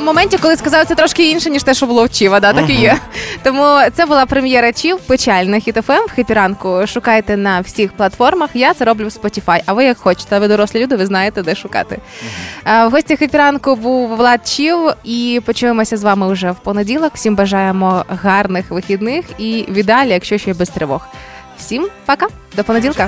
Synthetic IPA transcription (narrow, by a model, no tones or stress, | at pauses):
mɔmɛnʲtʲikɔlˠɪskɐzɑwt̪ɛt̪ɾɔʃkɪinʃɛnʲiʃt̪ɛʃt͡ʃɔbʊlˠɔwt͡ʃiʋɐd̪at̪akɪjɛt̪ɔmut̪sɛbʊlˠɑpɾemʲjɛɾɐt͡ʃiwpet͡ʃalʲnɐxʲit̪ɛfɛmxepʲiɾɑnkʊʃʊkɑjet̪ɛnɐwsʲixplˠɐt̪fɔrmɐxjat̪sɛɾɔblʲʊwspɔtʲifɑjʔɐʋɪjɐkxɔt͡ʃɪ̥t̪ɛʋɪd̪ɔɾɔslʲˠɪlʲud̪ɪʋɪznɑjet̪ɛd̪ɛʃʊkɑ̰t̪ɪ | wɦɔsʲtʲixepʲiɾɑnkʊbuwʋlˠɑd̪̚t͡ʃiwipɔt͡ʃuʋɪmɔsʲɐzʋɑmɪwʐɛwpɔnedʲilˠɔkw̥sʲimbɐʒɑjemɔɦɑrnɪxʋɪxʲid̪nɪxiʋʲid̪ɑlʲijɐkʃt͡ʃɔʃt͡ʃbɪst̪ɾɪʋɔx | w̥sʲimpɐka | d̪ɔpɔnedʲilˠkɐ